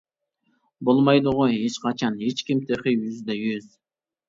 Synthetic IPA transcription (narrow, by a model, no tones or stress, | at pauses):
bolˠmɑjd̪ʊʁojet͡ʃqʰɑt͡ʃʰɑnet͡ʃkʲimt̪ʰeqejyzd̪ɛjøz